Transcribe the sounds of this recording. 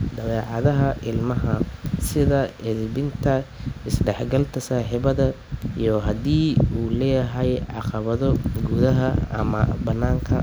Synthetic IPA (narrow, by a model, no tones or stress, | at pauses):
ɖ̪ɐlɛːʕɑðɐɦɐʔɪlmɐɦɐsɪðɐɪðbɪnt̪ʰɐɪsɖɛħɡɐlt̪ʰɐsaːħiβɐðɐijɔɦɐd̪iːuːlɛːjɐɦɛjʕɑ̰qɑβɐðɔɡuðɐɦɐɐ̰mɐ̰bɐnːaːŋkʰɐ̰